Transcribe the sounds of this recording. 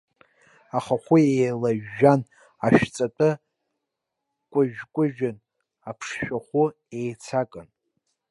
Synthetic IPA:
aχaχʷʊejlaʒːan | aʃᶣt͡sʼatʼɨ | kʷʼʊʒᶣkʷʼʊʒᶣan | apʰʂʃᶣaχʷʊ | ejt͡sʰakʼɨn

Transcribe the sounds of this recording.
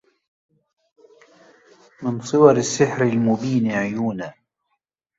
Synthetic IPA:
mɪnsˤɨwɑɾasːɪħɾalmʊbiːnʕʊjuːnaː

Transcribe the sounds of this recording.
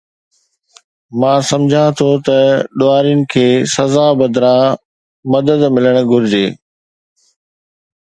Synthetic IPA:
mãːsɐmd͡ʑʱãt̪ʰot̪ɐɗoːaːɾijʊnɪ̆kʰeːsɐzabɐd̪ɾã | mɐd̪əd̪mɪləɽ̃ʊɡʱʊɾɪd͡ʑeː

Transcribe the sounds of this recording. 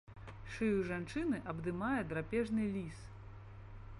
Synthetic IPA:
ʂɨjuʐant͡ʂɨnɨʔɐbd̪ɨmajɛd̪ɾapʲɛʐnɨlʲis

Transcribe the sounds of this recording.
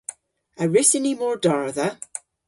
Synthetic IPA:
əɹɪsɪnimɔɹdɔɹða

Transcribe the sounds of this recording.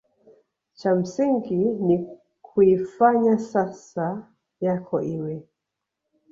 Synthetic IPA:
t͡ʃam̩siŋɡini | kʰuifaɲasasa | jakʰɔʔiwɛ

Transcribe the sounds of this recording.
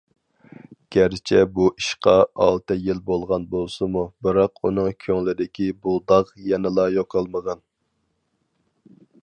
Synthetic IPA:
ɡ̥ʲæɾt͡ʃʰɛbuʔiʃqɑɑlˠt̪ɨjilbolˠʁɑnbolˠsɨmubɨɾɑqunɨŋkʲʰøŋlɪd̪ɪkʲʰibulˠd̪ɑʁjɛnɪlˠɑjoqʰɑlˠməʁɑn

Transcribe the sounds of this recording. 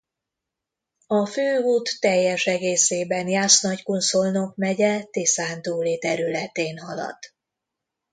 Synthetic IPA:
ɒføːuːt̪ːɛjːɛʃɛɡeːseːbɛnjaːsnɒckunso̞lno̞kmɛɟɛt̪esaːnt̪uːleːt̪ɛɾylɛt̪eːnhɒlɒ̰t̪

